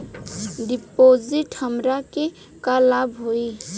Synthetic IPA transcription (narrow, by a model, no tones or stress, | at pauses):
ɖipod͡ʒiʈhəmɾake | kalabɦoi